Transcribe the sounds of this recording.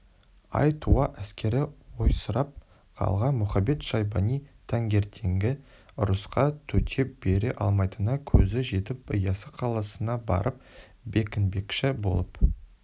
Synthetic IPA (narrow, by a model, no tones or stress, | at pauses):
ɑ̰jt̪ʰuɑʔæskʲe̞ɾɪwo̞jsəɾɑp̚ | qʰɑ̰lˠʁɑnmʊχɑbe̞t̪ʃɑjbɑnijt̪ʰɑŋɡʲe̞ɾt̪ʰe̞ŋɡʲɪ | ʊɾʊsqɑt̪ʰɵt̪ʲʰep̚b̥e̞ɾeʔɑ̰lˠmɑjt̪ənɑkʲʰɵzɪʒe̞t̪ɪp̚əjɑsəqʰɑlˠɑsənɑbɑ̰ɾʔəp̚ | be̞kʲɪnbe̞kʃɪbo̞̰lˠəp